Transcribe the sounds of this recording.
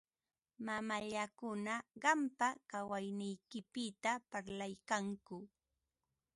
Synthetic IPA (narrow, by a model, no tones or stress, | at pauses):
mamaʎakʊnaɢɑmpakawajnɪjkɪpɪt̪apaɾlajkaŋkʊ